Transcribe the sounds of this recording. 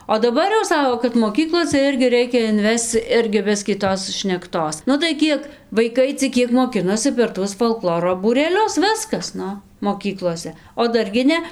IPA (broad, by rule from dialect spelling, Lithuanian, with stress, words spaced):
oː dɐˈbɐr jɛʊ ˈsɑːkoː kɐt moːˈkʲiːklˠoːsʲɛ ˈɪrʲɡʲɪ ˈrʲɛɪkʲɛ ɪnʲˈʋʲɛst͡s ˈɪrʲɡʲɪ ˈbʲɪsʲkʲiː ˈtoːs ʃʲnʲɛkˈtoːs nʊ tɐɪ ˈkʲiɛk ʋɐɪˈkɐɪ t͡sʲɪk ˈkʲiɛk moːˈkʲɪnoːsʲɪ pʲɛr ˈtuɔs foːlˠˈklˠoːroː buːrʲɛˈlʲʊs ˈʋʲɪskɐs ˈnʊ moːˈkʲiːklˠoːsʲɛ oː ˈdɐr ɡʲɪ ˈnʲɛ